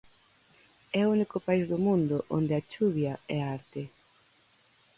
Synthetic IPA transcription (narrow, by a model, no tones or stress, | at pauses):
ɛounikʊpaizðʊmũnd̪ʊʔo̰nd̪eat͡ʃuβjaɛaɾt̪e